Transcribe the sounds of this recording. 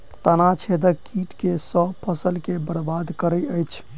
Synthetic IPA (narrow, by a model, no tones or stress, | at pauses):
t̪ənat͡ʃʰed̪əkiʈkesəpʰəsəlkebəɾbad̪kəɾəjəjt͡ʃʰ